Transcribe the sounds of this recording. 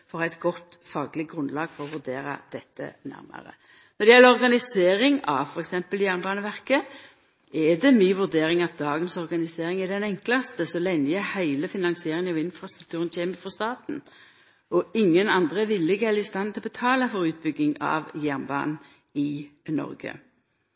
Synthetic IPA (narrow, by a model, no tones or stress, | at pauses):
fɔʁæɪt̪ɡɔt̪ːfɑːɡəlɪɡʁʉnlɑːɡ̥fɔʁɔʋʉʁd̪eːɾɑ̰d̪̥ɛt̪ʰːə̰næ̰ʁmə̰ʁə̰ | nɔɾd̪ɛjɛlːəɔʁɡɑnɪseːɾɪŋɑʋfɔʁɛksɛmpəljæʁnbɑːnəʋæʁkə | ɛd̪ɛmiːʋʉɾd̪eːɾɪŋɑt̪̚d̪ɑːɡənsɔʁɡɑnɪseːʁɪŋɛd̪ɛnɛŋklɑst̪əsɔlɛnəjəhæɪləfɪnɑŋsɪeːʁɪŋɑʋɪnfʁɑst̪ʁʉk̚t̪ʰʉːʁənçeːməfɔst̪ɑːt̪n̩ | ɔɪŋːənɑnd̪ʁəʋɪlːɪɡɛlːɪst̪ɑnt̪ʰɪlɔbət̪ʰɑːləfɔɾʉːt̪̚bʏɡːɪŋɑ̰ʋjæʁnbɑ̰ːnn | ɪnɔ̰ɾɡə̰